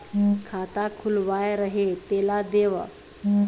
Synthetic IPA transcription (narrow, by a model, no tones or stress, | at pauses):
kʰat̪akʰulʋajɾəɦet̪elad̪eʋə̰